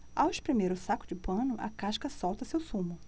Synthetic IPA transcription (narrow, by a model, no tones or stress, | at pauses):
aweʃpɾemeɾʊsakʊd͡ʒɪpɐ̃nʊʔɐ̰kaʃkɐsɔwt̪ɐsewsũmʊ